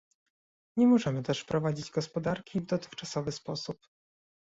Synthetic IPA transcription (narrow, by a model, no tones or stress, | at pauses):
ɲɛmɔʐɛmɘt̪ɛʂpɾɔvad͡ʑid͡ʑɡɔspɔd̪aɾkʲivd̪ɔt̪ɘ̥xt͡ʂasɔvɘspɔsup